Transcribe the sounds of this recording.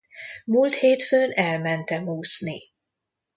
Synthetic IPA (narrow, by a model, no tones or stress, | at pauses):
mult̪heːt̪føːnɛlmɛnt̪ɛmuːsni